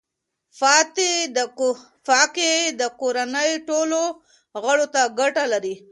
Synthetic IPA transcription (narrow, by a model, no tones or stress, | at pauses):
fɑt̪e | fɑqed̪əkoɾanəjʈolo | ɣəɽot̪aɡaʈalaɾi